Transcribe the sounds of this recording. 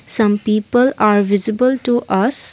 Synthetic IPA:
sʌ̃mpiːpəlaɾʋizibəlʈuʔɐs

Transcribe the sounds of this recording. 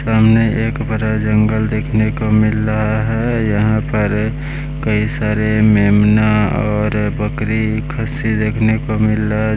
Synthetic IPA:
saːmneʔeːkbəɾad͡ʒə̃ŋɡəld̪eːkʰnekomɪlɾəɦaɦɛjəɦãpəɾ | kəisaːɾemeːmnaɔːɾbəkɾikʰəsid̪eːkʰnekomɪlːaɦ

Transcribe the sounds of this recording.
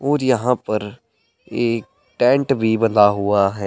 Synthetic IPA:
oːɾjəɦãːpəɾ | eːk | ʈɛ̃ːɳʈbiːbəlaːɦʊaːɦɛː

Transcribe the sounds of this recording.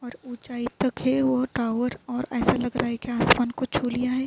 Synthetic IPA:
ɔːɾut͡ʃaːit̪ɐkɦɛʋoʈɾaːʊʋəɾɔːɾɛːsalɐɡɾʔaːɦekeaːsmaːnkot͡ʃʰuːlijaɦɛ

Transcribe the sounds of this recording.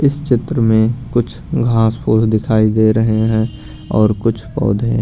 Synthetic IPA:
ɪst͡ʃɪt̪ɾəmẽkʊt͡ʃʰɡʱãːspʰoːsd̪ɪkʰaːid̪eɾəɦeɦɛ̃ | ɔːɾkʊt͡ʃʰpɔ̰ːd̪ʱẽɦ

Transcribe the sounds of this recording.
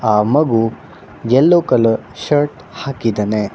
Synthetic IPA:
aːmɐɡu | jɛlːokɐlɐʃɐɾʈ | haːkid̪ɐne

